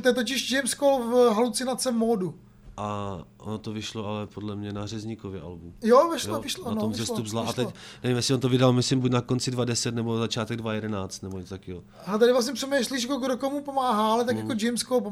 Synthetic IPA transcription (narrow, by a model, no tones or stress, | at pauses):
t̪ojɛt̪̬ocɪʒd͡ʒɛjmskowfɦalut͡sɪnat͡sɛmoːdu | ʔaʔo̰not̪ovɪʃloalɛpodlɛmɲɛnaɦrɛzɲikovjɛʔa̰lbumjovɪʃlovɪʃloʔanoomzɛslot̪ubzlaat̪ɛcnɛvimjɛslɪont̪ovɪdalmɪslɪmbucnakont͡sɪdvadɛsɛt̪nɛbozat͡ʃaːt̪ɛɡ̚dvajɛdɛnaːt͡st̪nɛboɲɛt͡st̪akio | alɛt̪adɪvlas̬ɲɛpr̥ɛmɛjʃliʃkoɡdokomupomaːɦaːalɛt̪akjakod͡ʒɛjmskolpo